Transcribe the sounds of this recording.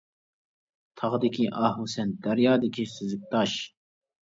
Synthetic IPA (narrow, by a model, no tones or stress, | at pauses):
t̪ʰɑʁd̪ikʰiʔɑːɦusɛnd̪̥ɐɾjɑːd̪ikisuzuk̚t̪ɑːɕ